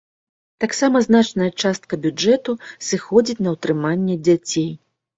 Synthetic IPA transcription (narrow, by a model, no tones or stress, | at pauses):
t̪aksamɐznat͡ʂnɐjɐt͡ʂast̪̚kɐbʲud͡ʐɛt̪usɨxɔd͡zʲit͡sʲnɐwt̪ɾɨmanʲːɛd͡zʲat͡sʲej